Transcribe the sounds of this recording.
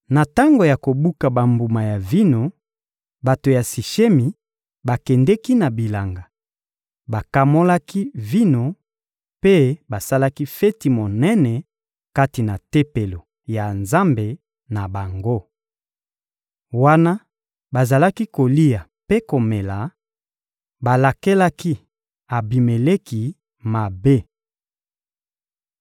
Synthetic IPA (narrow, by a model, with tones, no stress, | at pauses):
na˨ta˦ŋɡo˨ja˨ko˨bu˦ka˨ba˨mbu˨ma˨ja˨vi˦no˨ | ba˨to˨ja˨si˨ʃe˦mi˨ | ba˨kɛ˨ndɛ˦ki˦na˨bi˨la˨ŋɡa˨ | ba˨ka˨mo˦la˦ki˦vi˦no˨ | pe˦ba˨sa˦la˦ki˦fɛ˦ti˨mo˨nɛ˦nɛ˨ | ka˦ti˨na˨te˦pe˨lo˨ | ja˨nza˦mbe˨ | na˨ba˨ŋɡo˦ | wa˦na˦ | ba˨za˨la˦ki˦ko˨li˦a˨ | pe˦ko˨me˨la˨ | ba˨la˨ke˦la˦ki˦ | a˨bi˨me˨le˦ki˨ | ma˨be˦